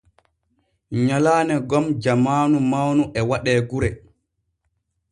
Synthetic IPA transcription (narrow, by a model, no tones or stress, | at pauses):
ɲalaːnɛɡɔmd͡ʒamaːnumawnuʔɛwaɗɛːɡuɾɛ